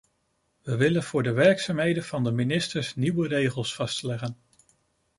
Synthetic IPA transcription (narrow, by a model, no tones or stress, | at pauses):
ʋəʋɪlənv̥ʊːɹdəʋɛɹksaːmɦejdənvɑndəminɪstəɹsniʋərejχəlˠsfɑstlɛχən